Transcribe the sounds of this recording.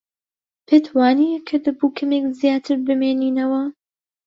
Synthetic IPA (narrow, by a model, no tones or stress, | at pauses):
pʰet̪ʰwaːnikʰɨd̪ɐbuːkʰɐmekzijaːt̪ʰɨɾbɨmeːniːnɐwɐ